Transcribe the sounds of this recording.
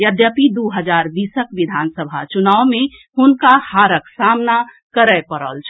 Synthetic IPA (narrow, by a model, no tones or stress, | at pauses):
jəd̪jəpid̪uɦəd͡ʒaɾb̪isəkʋid̪ʱansəbʱa̰t͡ʃunawme | hunkahaɾəksamna | kəɾəpəɾə̰lt͡ʃʰ